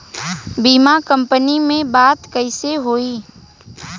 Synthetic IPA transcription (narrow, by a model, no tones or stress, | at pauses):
biːmakə̃mpənimẽbaːt̪kəɪseɦoːiː